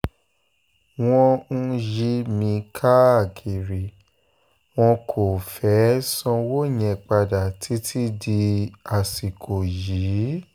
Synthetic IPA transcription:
w̃ɔ̃˧n̩˦˧ji˧mĩ˧kʰa˦a˨kʰi˨ɾi˨ | w̃ɔ̃˧kʰo˨fɛ˨˦sɔ̃˧wo˦˨ɲ̃ɛ̃˨k͡pa˧da˨tʰi˨˦tʰi˦di˧a˨si˨kʰo˨ji˨˦˨

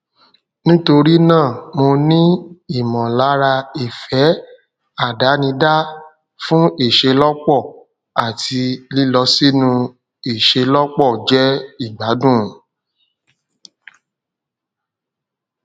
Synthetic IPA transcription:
nĩ˦to˧ɾi˦nãː˦˨mo˧nĩ˦i˦˨mɔ̃˨la˨˦ɾa˧i˦˨fɛ˨˦ | a˦˨da˨˦nĩ˧da˦ | fũ˦e˦˨ʃe˧lɔ˦k͡pɔ˦˨ | a˨ti˧li˦lɔ˧si˦nũ˧ | e˨ʃe˧lɔ˦k͡pɔ˦˨d͡ʒɛ˦i˦˨ɡ͡ba˨˦dũ˦˨

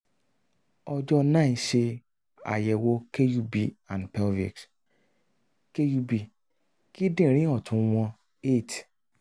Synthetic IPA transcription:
ɔ˧d͡ʒɔ˧nã˦˨ʃe˧ | a̰˨jɛ˨wo˧˦ke˦ju˧˦bi˨ã˨npɛ˧˦lvḛ˨ks | ke˦ju˧bi˧ | ki˦dĩ˦˨ɾ̃ĩ˦ɔ˦˨tʰũ˨˧w̃ɔ̃˧ | e˦˨t

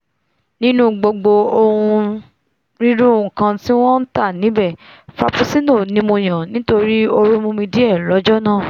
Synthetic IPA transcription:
nĩ˦nũ˦ɡ͡bo˧ɡ͡bo˧o˧hũ˧ | ɾi˦ɾũ˦ũ˧˨kã˧ti˦w̃ɔ̃˦n̩˦ta˦˨nĩ˨˦bɛ˦˨fa˧pu˧si˦no˦˨nĩ˧mõ˧j̃ã˨nĩ˨˦to˧ɾi˦o˧ɾu˦mũ˧mĩ˧di˦ɛ˦˨lɔ˨˦d͡ʒɔ˦nãː˦˨

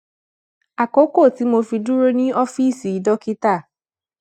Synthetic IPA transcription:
a˨ko˨˦ko˦˨ti˨˦mo˧fi˧du˦ɾo˦nĩ˦ɔ˦fi˦˨si˨i˨˦dɔ˦ki˦ta˦˨

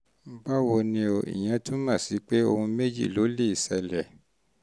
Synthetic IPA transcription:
ba˦wo˧nĩ˧o˨ʔḭ˨j̃ɛ̃˧˦tũ˦mã˦˨si˨˦k͡pe˦o̰˧hũ˧me˦d͡ʒḭ˦˨lo˨˦le˦˨i˨sɛ˧lɛ˨

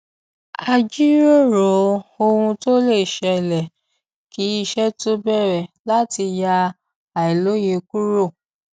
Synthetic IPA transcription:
a˧d͡ʒi˦ɾo˦ɾo˨˦o˧wũ˧to˦le˦˨ʃɛ˧lɛ˨ | ki˨˦i˧ʃɛ˦to˦bɛ˦˨ɾɛ˨la˦ti˧ja˧ | a˨ɛ˨lo˨˦je˧ku˦ɾo˦˨

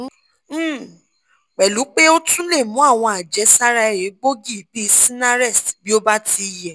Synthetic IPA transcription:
k͡pɛ˨lu˨˦k͡pe˦o˦tũ˦le˦˨mũ˨˦a˦˨w̃ɔ̃˧a˨d͡ʒɛ˨˦sa˦ɾa˧ɛ˨ɾe˨˦ɡ͡bo˦ɡi˦˨˦bi˦˧˦sĩ˦na˦ɾɛ˦˨stbi˦o˦ba˦tʰi˧˨jɛ˨

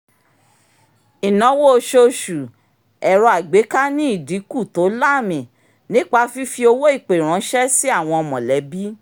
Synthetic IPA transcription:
i˨nɔ̃˨˦wo˦o˧ʃo˧ʃu˨ | ɛ˨ɾɔ˧a˨ɡ͡be˨˦ka˦nĩ˦i˦˨di˨˦ku˦˨to˨˦la˦˨mĩ˨ | nĩ˦k͡pa˧fi˦fi˧o˧wo˦i˦˨k͡pe˨ɾ̃ã˨˦ʃɛ˦si˦a˦˨w̃ɔ̃˧ɔ˧mɔ̃˨lɛ˨˦bi˦

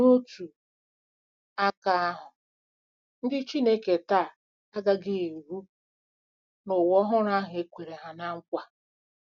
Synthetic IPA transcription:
no˦tu˨ | a˦ka˨a˦ɦʊ˨ | n̩˦dɪ˦t͡ʃi˦ne˦ke˨taː˦˨ | a˦ɡa˦ɡɪ˦e˨ɾu˦ | nʊ˨wɔ˦ɦʊ˦ɾa˦ɦʊ˨e˦kʷe˨ɾe˨ɦa˨na˦ŋ̩˦kʷa˦

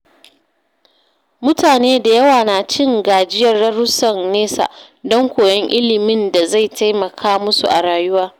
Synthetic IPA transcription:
mʊ˦taː˨neː˦da˨jɐ˦waː˨naː˨t͡ʃɪ˦ŋɡaː˨d͡ʒɪ˦jɐ˦˨rːɐ˦ɾʊ˦sɐ˨nneː˦sa̰˨ʔ | dɔ˦ŋkʷoː˨jɔ˦ŋʔɪ˦lɪ˨mɪ˦nda˨za˦˨jta˦jmɐ˨kʰaː˦mʊ˦sṵ˨ʔa̰˨ɽaː˨jʊ˦waː˦

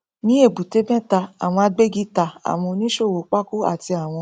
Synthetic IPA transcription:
nĩ˨˦e˦˨bu˨te˨˦bɛ̃˦ta˧a˨w̃ɔ̃˧a˧ɡ͡be˦ɡi˦ta˧˨a̰˨w̃ɔ̃˧nĩ˦ʃo˦˨wo˨k͡pa˦ku˦a̰˦˨ti˧a˨w̃ɔ̃˧

